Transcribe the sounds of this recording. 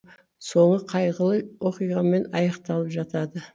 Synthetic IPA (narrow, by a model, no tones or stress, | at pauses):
so̞ɴəqʰɑjʁəlˠəjwo̞qijʁɑme̞nɑjɑqt̪ɑlˠəpʒɑt̪ɑd̪ə